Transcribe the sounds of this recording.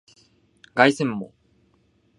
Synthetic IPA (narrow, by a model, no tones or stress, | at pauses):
ɡaisẽmːo̰